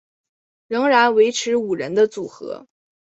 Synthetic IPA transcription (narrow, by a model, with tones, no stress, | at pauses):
ɻɤ˧˥ŋɻa˧˥nwe˧˥ɪʈ͡ʂʰɻ̩˧˥u˨˩ɻə̰˧˥nd̪ə˧t͡su˨˩xɤ̰˧˥